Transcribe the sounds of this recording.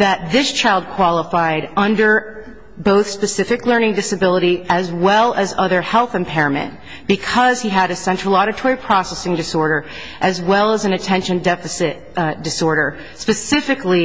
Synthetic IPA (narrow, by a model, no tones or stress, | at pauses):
ðɨt̪̚ðɪst͡ʃʰaɪlˠd̚kʰw̥ɑlˠəfaɪɾʌ̃ndə˞ | boʊθspɨsɪfɨklɜ̃˞ñɪ̃ŋdɨsɨbɪlˠəɾiɨzwɛlˠɨzʌðə˞hɛlˠθɨ̃mpʰɛɹə̃mɨ̰̃n | b̥ɨkʰʌz̥iɨɾɨsɛ̃nt͡ʃɹ̥l̩ˠɑɾɨtʰɔɹipʰɹ̥ɑsɛsɪ̃ŋdɨsɔɹɾə˞ | ʔɨzwɛlˠəzɨ̃n̩ɨtʰɛ̃nʃɨ̃ndɛfɨsɪt̚d̥ɨsɔɹɾə˞ | spɨsɪfɨkli